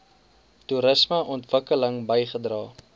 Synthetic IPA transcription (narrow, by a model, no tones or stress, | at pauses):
tuɾəsməʔɔntv̥əkələŋbəjχədrɑː